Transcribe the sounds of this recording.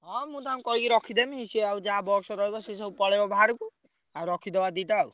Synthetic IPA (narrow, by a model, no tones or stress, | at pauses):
ɦɔ̃mũt̪aãkɔɦikiɾɔkʰid̪emiɦisiawd͡ʒaɦabɔksɔɾɔɦibɔses̬ɔbupɔɭebɔbʱaɾɔku | aɾɔkʰid̪ebad̪it̪au